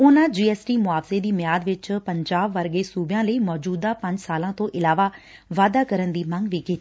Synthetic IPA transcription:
ʊnãːd͡ʒiːɛːsʈiːmʊaːʋseːd̪iːmɪjaːd̪ʋɪt͡ʃpəɲd͡ʒaːbːəɾɡeːsuːbjãːləiːmɔːd͡ʒuːd̪aːpə̃ɲd͡ʒsaːlãːt̪õːʔɪlaːʋaː | ʋaːd̪aːkəɾənd̪iːməŋɡʋiːkiːt̪i

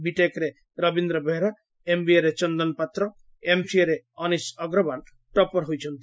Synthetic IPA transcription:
biʈekɾe | ɾɔbind̪ɾɔbeɦɾa | embieɾet͡ʃɔnd̪ɔnpat̪ɾɔ | emsieɾe | ɔnisɔɡɾɔban | ʈɔpɔɾɦojt͡ʃʰɔnt̪i

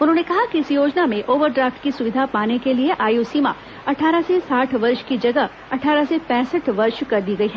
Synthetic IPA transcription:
ʊnɦõːnekɐɦakiɪsjoːd͡ʒnamẽʔoːʋəɾɖɾaːfʈkisʊʋɪd̪ʱapaːnekelieʔaːjosiːma̰ | ɐʈʰaːɾasesaːʈʰʋɐɾʃkid͡ʒɐɡə | ɐʈʰaːɾasepɛ̃ːsəʈʰʋɐɾʃkɐɾd̪iːɡɐiɦɛː

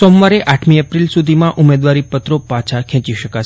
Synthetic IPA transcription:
somʋaɾeʔaʈʰmiəpɾilsud̪ʱimãʔumed̪ʋaɾipət̪ɾopãt͡ʃʰakʰɛ̃t͡ʃiʃəkat͡ʃʰ

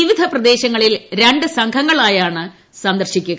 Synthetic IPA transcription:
iʋid̪ʱɐprɐd̪e̞ːɕɐŋːɐɭilɾe̞ɳɖɨsɐŋkʰɐŋːɐɭaːjaːɳɨ | sɐnd̪ɐrɕikʲːuɣɐ

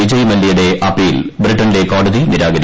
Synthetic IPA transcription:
id͡ʑɐjmɐlːijuɽe̞ʔɐpːiːlbɾiʈːɐnde̞ko̞ːɽɐðiniɾaːɡɐɾi

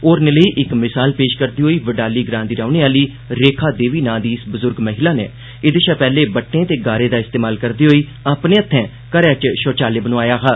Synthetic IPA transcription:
oːɾneləiːʔɪkmɪsaːlpeːʃkəɾd̪iːɦoːiːʋəɖaːliːɡɾãːnd̪iːɾaːʊneːaːliː | ɾeːkʰaːd̪eːʋiːnãːd̪iːɪsbʊzʊɾɡməɦɪlaːnḛː | ɪd̪eːʃaːpɛːleːbəʈːẽːt̪eːɡaːɾẽːd̪aːɪst̪eːmaːlkəɾd̪iːɦoːiː | aːpnẽːət̪ʰːɛ̃ː | kəɾɛːt͡ʃʃoːt͡ʃaːleːbənõaːjaːɦaː

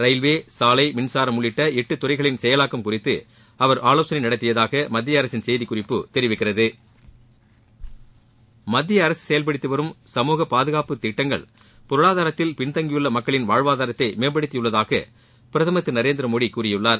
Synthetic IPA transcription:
ɾɐɪlʋeːsaːlɐɪmɪɳsaːɾɐmʊɭːɪʈːɐɪʈːɯt̪ːʊɾɐɪɣɐɭɪnsɛjɐlaːkːɯmkʊrɪt̪ːɯ | ɐʋɐɾʔaːloːsɐnɐɪnɐɽɐt̪ːɪjɐðaːɣɐmɐd̪ːɪjɐɐɾɐsɪnsɛjðikʊrɪpːɯt̪ɛɾɪʋɪkːɪrɐðɯ | mɐd̪ːɪjɐːɾɐsɯ̥sɛjɐlp̬ɐɽɪt̪ːɯʋɐɾɯmsɐmuːɣɐpaːðɯɣaːpɯt̪ɪʈːɐŋɡɐ̰ɭ | pɔɾɯɭaːðaːɾɐt̪ːɪlpɪɳt̪ɐŋɡɪjɯɭːɐmɐkːɐɭɪnʋaːɻʋaːðaːɾɐt̪ːɐɪmeːp̬ɐɽɪt̪ːɪjɯɭːɐðaːɣɐ̰ | pɪɾɐðɐmɐt̪ːɯnɐɾeːnd̪ɪɾɐmoːɽikuːrɪjɯɭːaːɾ

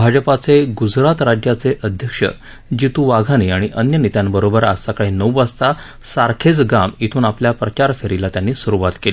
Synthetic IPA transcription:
bʱad͡ʑəpat͡seɡud͡zɾat̪ɾad͡ʑjat͡seʔəd̪ʱjəkʂə̰ | d͡ʑit̪uʋaɡʱaniaɽ̃iʔənjənit̪jãnbəɾobəɾa̰ssakəɭenəwast̪a | saɾkʰet͡sɡamit̪ʰuːnapljapɾət͡ɕaɾfeɾilat̪janːiːsuɾuʋat̪keli

